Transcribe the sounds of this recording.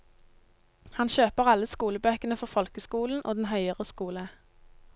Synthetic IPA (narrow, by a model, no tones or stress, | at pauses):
hɑnçøːpəʁɑləskuːləbøːkənəfɔʁfɔlkəskuːln̩ʔoːd̪n̩ɦœʏəʁəskuːlə